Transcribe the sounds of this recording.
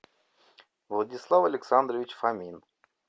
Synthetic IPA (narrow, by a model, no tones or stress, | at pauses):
vlˠədʲislˠafɐlʲɪksand̪ɾəvʲɪt͡ɕfamʲin